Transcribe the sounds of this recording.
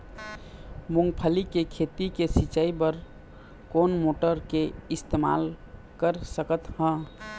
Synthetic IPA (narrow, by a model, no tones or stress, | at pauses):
muŋɡpʰəlikekʰet̪ikesit͡ʃaibəɾ | konmoʈəɾkeɪst̪ema̰l | kəɾsəkət̪hə̃